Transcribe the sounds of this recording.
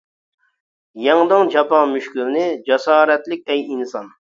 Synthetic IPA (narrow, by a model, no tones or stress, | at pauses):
jɑŋd̪ɨŋd͡ʒɑpɑŋmyʃkʲylnɪd͡ʒɑsɑːɾɛt̪lɪk̚ʲɛjinsɑn